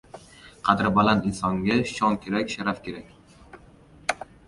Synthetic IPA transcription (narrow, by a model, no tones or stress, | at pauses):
qʰɑd̪ɪɾbalanɪnsɒŋɡʲaʃɒnkʲʰe̞ɾakʲʃaɾafkʲʰe̞ɾakʲ